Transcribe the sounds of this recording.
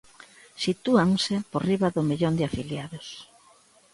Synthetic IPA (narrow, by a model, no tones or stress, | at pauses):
sit̪uaŋsɪporiβaðʊmiʎond̪ɪafiljaðʊs